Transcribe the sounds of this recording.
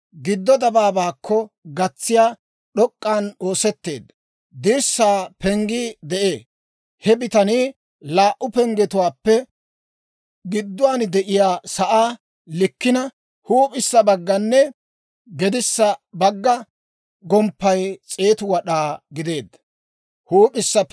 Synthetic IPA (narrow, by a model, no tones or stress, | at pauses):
ɡɪd̪ːɔd̪ɐbaːbaːkːɔ | ɡɐt͡sːɪjaː | ɗɔkʼːaːno̞ːsɛt̪ːe̞̰ːd̪ːɐ | d̪ɪɾsːaːpɛŋɡid̪ɛʔeː | hɛbɪt̪ɐni | laːʔʊpɛŋɡɛt̪ʊwaːpːɛ | ɡɪd̪ːʊwaːnd̪ɛʔɪjaːsɐʔaː | lɪkːɪnɐ | huːpʼɪsːɐbɐɡːɐnːɛ | ɡɛd̪ɪsːɐbɐɡːɐ | ɡɔmpːɐjt͡sʼe̞ːt̪ʊwɐɗaːɡɪd̪e̞ːd̪ːɐ | huːpʼɪsːɐ